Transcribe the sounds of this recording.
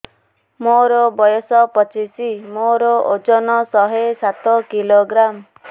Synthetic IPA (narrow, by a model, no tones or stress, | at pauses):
moɾɔbɔjɔsɔpɔt͡ʃisimoɾɔod͡ʒɔnɔsɔɦesat̪ɔkiloɡɾam